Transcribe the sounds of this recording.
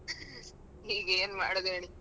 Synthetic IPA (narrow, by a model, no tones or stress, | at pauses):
iːɡeːnmaːɽd̪eːɳi